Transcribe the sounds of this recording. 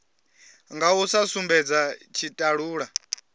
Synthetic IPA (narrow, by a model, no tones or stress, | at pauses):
ŋɡausasumbɛd͡zat͡ʃʰitʼaɺuːɺa